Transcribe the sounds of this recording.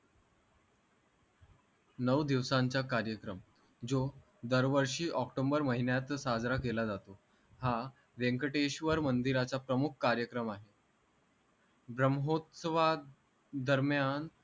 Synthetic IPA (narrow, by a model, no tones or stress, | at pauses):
nəʋd̪iʋsaɲt͡ɕakaɾjəkɾəm | d͡zo | d̪əɾʋəɾʂiːʔɔkʈombəɾməɦinjat̪sad͡zɾakelad͡zat̪o | ha | ʋeŋkəʈeɕʋəɾmənd̪iɾat͡sapɾəmukʰkaɾjəkɾəmaɦe | bɾəmɦot̪səʋa | d̪ʱəɾmjan